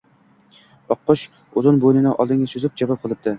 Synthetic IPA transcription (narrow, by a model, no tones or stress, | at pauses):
ɒqːʊʃ | ʊzɪnbojnɪnɪʔɒ̰lˠd̪ɪŋʲasʊzɪp̚d͡ʒavɒp̚qʰɨlˠɪp̚d̪ɪ